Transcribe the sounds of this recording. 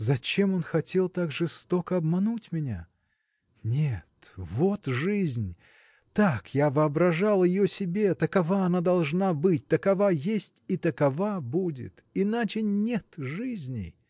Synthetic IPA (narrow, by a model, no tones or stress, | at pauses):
zɐt͡ɕe̞mo̞nxɐtʲe̞lˠt̪aɡʐɨst̪o̞kəɐbmɐnutʲmʲɪnʲa̰ | nʲet̪vo̞t̪ʐɨzʲnʲ | t̪akjavɨɐbɾɐʐalˠjɪjosʲɪbʲe̞t̪əkɐvaɐnad̪ɐlˠʐnabɨt̚ʲt̪əkɐvajesʲtʲit̪əkɐvabudʲɪ̰t̪ɪnat͡ɕɪnʲet̪ʐɨzʲnʲɪ̰